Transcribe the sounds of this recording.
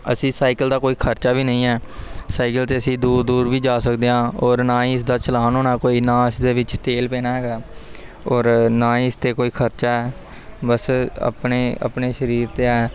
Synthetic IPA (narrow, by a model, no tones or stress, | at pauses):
ə̰sĩːsaːɪkəld̪aːkoːiːkʰəɾt͡ʃaːʋiːnəĩːɛːsaːɪkəlt̪eːəsĩːd̪uːɾd̪uːɾʋiːd͡ʒaːsəkd̪eːãːɔːɾnãːĩːɪs̬d̪aːt͡ʃəlaːnɦoːnaːkoːiːnãːɪsd̪eːʋɪt͡ʃt̪eːlpɛ̃ːnaːɦɛːɡaː | ɔːɾnãːɪst̪eːkoːiːkʰəɾt͡ʃaːɛː | bəsə̰pneːə̰pneːʃəɾiːɾt̪eːɛː